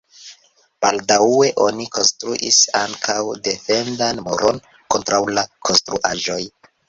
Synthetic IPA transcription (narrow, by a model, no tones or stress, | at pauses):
b̥aldawe̞ʔo̞niko̞nstɾuʔisa̰ŋkʰawde̞fe̞ndanmoɾʔo̞n | ko̞ntɾawlakʰo̞nstɾuʔaʒo̞j